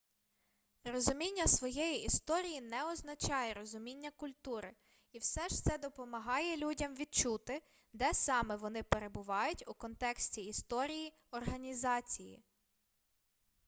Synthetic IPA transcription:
rɔzʊmʲinʲːɐsʋɔjɛjiʔist̪ɔɾʲijinɛɔznɐt͡ʃɑjɛɾɔzʊmʲinʲːɐkʊlʲt̪uɾɪ | iwsɛʃt̪sɛd̪ɔpɔmɐɦɑjɛlʲudʲɐmʋʲid̪̚t͡ʃut̪ɪ | d̪ɛsɑmɛʋɔnɪpeɾebʊʋɑjʊtʲukɔnt̪ɛksʲtʲiːst̪ɔɾʲiji | ɔrɦɐnʲizɑt͡sʲijḭ

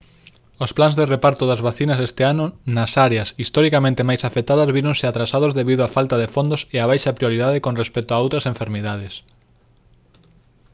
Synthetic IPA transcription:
osplanzðerepaɾt̪oðɐzβaθinɐsɛst̪ɪanʊnɐsaɾeɐsist̪ɔɾikamẽnt̪ɪmajsafet̪aðɐzβiɾõnsɪat̪ɾasað̞ozðeβiðoafalt̪ɐðefond̪oseaβajʃɐpɾioɾiðaðekõnrespɛk̚t̪oaowt̪ɾɐsẽɱfeɾmiðað̞es

